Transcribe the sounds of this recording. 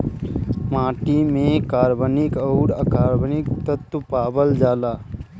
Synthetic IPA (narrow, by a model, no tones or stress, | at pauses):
mãːʈimẽkaːɾbənɪkəʊɽəkaːɾbənɪk̚t̪ət̪paːbəld͡ʒaːlaː